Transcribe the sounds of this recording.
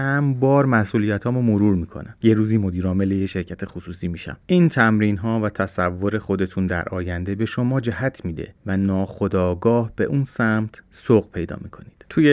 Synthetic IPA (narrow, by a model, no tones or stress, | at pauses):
hæmbɒːɾmæsʔuːlijæt̪ʰhɒːmomo̞ɾuːɾmiːkʰo̞̰næmje̞ɾuːziːmo̞d̪iːɾɒːme̞lejeʃe̞ɾcʰæt̪ʰe̞xosuːsiːmiːʃæ̰mʔiːnt̪ʰæmɾiːnɦɒːvæt̪ʰæsævːo̞ɾe̞xo̞d̪e̞t̪ʰund̪æ̰ɾʔɒ̰ːjænd̪e̞be̞ʃo̞mɒːd͡ʒæhæt̪ʰmiːd̪ḛvænɒːxo̞d̪ɒːɡɒːhb̥e̞̰ʔuːnsæmt̪ʰsoqpʰe̞jd̪ɒ̰ːmikʰo̞nid̥t̪ʰuːje